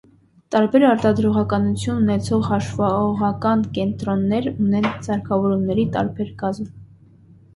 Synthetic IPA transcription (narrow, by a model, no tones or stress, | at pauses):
t̪ɑɾbɛɾɑɾt̪ɑd̪ɾɔʁɑkɑnut͡sʰjununɛt͡sʰɔʁhɑʃvɑɔʁɑkɑnkɛnt̪ɾɔnːɛɾunɛnt͡sɑɾkʰɑvɔɾumnɛɾit̪ɑ̰ɾbɛɾɡɑzm